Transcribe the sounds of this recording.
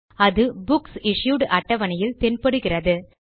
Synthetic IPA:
ɐðɯbʊksɪʂjuːɽʔɐʈːɐʋɐnɐjɪlt̪ɛnpɐɽɯɣɪrɐðɯ

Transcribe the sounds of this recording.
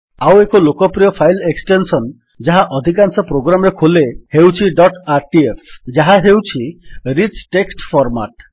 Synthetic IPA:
awekɔlokɔpɾiɔpʰajleksʈensɔn | d͡ʒaɦaʔɔd̪ʱik̬ansɔpɾoɡɾamɔɾekʰolehewt͡ʃʰiɖɔʈaɾʈiepʰd͡ʒaɦaɦewt͡ʃʰiɾit͡ʃʈeksʈpʰɔɾma̰ʈ

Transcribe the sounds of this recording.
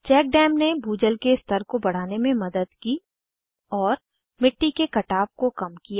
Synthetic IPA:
t͡ʃɛːk̚ɖɛːmnebʱuːd͡ʒəlkest̪ʰəɾkobɐɽ̤aːnemẽmɐd̪əd̪ki | ɔːɾ | mɪʈːikekɐʈaːp̚kokɐmkija

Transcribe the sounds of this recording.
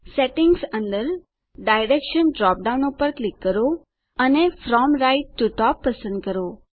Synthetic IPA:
seʈɪŋɡsə̃nd̪əɾ | ɖajɾekʃənɖɾɔp̚ɖaunopəɾklikːəɾo | ənefɾɔmɾaiʈːuʈɔpːəsə̃nd̪̚kəɾo

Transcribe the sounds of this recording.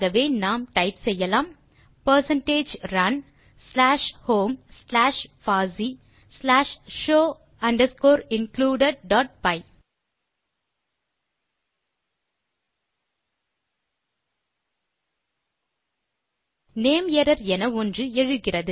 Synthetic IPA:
ɣɐʋeːnaːmʈɐɪpsɛjːɐlaːm | pɐɾsɐɳʈeːd͡ʒɾɐn | slaːʂhoːmslaːʂfaːzi | slaːʂʃoː | ɐɳɖɐskoːɾɪnkluːɖɐɖɖɔːʈ̚bɐɪ | neːmɛɾɐɾɛnɐɔndrɯɛɻɯɣɪrɐðɯ

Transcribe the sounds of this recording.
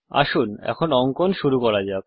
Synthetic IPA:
a̰ʃunɛ̰kʰonɔŋkonʃuɾukɔɾad͡ʑab̚

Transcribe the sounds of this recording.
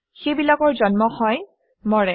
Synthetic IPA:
xejbilakɔɹzɔnmɔhɔj | mɔɹɛ

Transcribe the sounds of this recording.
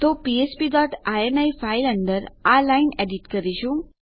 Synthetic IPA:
t̪opiespidɔʈʰaenajfajləɳɖəɾalainɛɖiʈkəɾiɕu

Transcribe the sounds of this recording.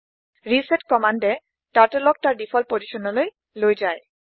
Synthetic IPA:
ɹisɛtkɔmandɛ | taɹtɛlɔk̚taɹdifʰɔlpoziʃɔnɔloj | lojzaj

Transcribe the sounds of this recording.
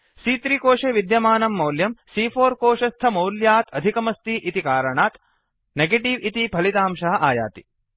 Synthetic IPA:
siːt̪ɾiːkoːʂeːʋid̪jɐmaːnɐmːɐwljɐmsiːfʰoːɾkoːʂɐst̪ʰɐmɐwljaːt̪ɐd̪ʱikɐmɐst̪iʔit̪ikaːɾɐɳaːt̪ | neɡeʈiʋit̪ibʱɐlit̪aːmʃɐɦɐ̆ʔaːja̰ːt̪i

